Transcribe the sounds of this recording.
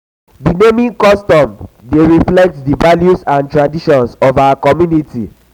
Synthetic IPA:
dinemĩŋkɔstɔ̃mdeɹiflɛk̚tdivaljusãntɹadiʃɔ̃nsɔvawakɔmjunitḭ

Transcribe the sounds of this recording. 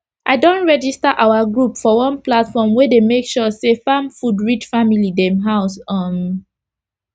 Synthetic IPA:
ʔaɪdõntɹɛd͡ʒistaʔawaɡɹupfɔwɔ̃nplatfɔmwedemekʃɔsefãmfudɹit͡ʃfamilidɛ̃mɦaʊsɔ̃m

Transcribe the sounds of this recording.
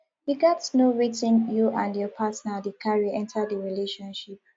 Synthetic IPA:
hiɡɔtnoɹitɪ̃njuʔãndjɔpʰatnadəkʰaɹiəɛ̃ntʰədəɹileʃɔ̃nʃip̚

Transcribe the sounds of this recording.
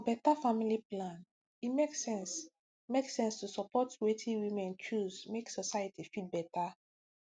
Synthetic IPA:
ɔbɛtafamiliplãn | imeksɛ̃ns | meksɛ̃nstusɔpɔtwetʰĩwĩmɛ̃nt͡ʃuzmeksɔsajətifilbɛta

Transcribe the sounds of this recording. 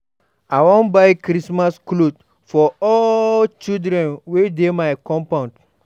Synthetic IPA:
awɔ̃nbaɪkɾismasklod | fɔɔlt͡ʃidɾɛ̃nwedemaɪkɔ̃mpãnd

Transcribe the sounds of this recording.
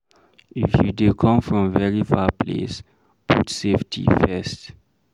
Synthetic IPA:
ifjudukʰɔ̃mfɹɔ̃mvɛɹifaplḛs | putseftʰḭfɛst

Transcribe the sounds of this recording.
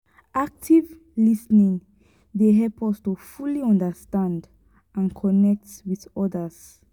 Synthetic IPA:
ʔak̚tʰiv | lisnĩŋ | deɦɛlpʰɔstufuliɔ̃ndəstãnd | ãnkʰɔnɛk̚twiðɔdəs

